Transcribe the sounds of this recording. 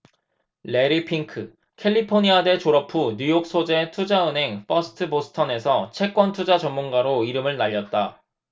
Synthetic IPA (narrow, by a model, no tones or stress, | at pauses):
le̞ɾipʰiŋkʰɯ | kʰe̞ʎːipʰoɲiade̞t͡ɕoɾʌpʰuɲujok̚s͈ʰod͡ʑe̞tʰud͡ʑaɯnɦe̞ŋp͈ʰʌsʰɯ̥tʰɯbosʰɯ̥tʰʌne̞sʰʌt͡ɕʰe̞k͈wʌntʰud͡ʑat͡ɕʌmːunɡaɾoiɾɯmɯɭnaʎːʌt̚t͈a